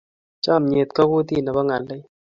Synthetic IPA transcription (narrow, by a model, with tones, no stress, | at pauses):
t͡ʃa˦˨mɲe˨t̪kɔ˦ku˦t̪i˦˨nɛ˨bɔ˦ŋa˨lːe˦j